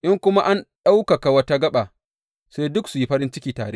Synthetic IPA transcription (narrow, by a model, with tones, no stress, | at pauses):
ʔɪ˦ŋkʷʊ˦ma˦ʔa˦nɗa˦wka˨ka˨wɐ˦ta˦ɡɐ˦ɓa˨ | se˦jdʊ˦ksu˨ji˦ɸɐ˦ɾɪ˦nt͡ʃɪ˦kʲiː˨ta̰ː˨ɽḛ˦